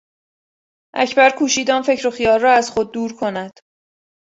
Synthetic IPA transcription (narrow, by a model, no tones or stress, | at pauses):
ʔæ̰cʰbæɾkʰuːʃiːd̪ɒːnfe̞cɾo̞xijɒːlːɒːæz̥xo̞d̪̚ːuːɾkʰo̞næd̪̥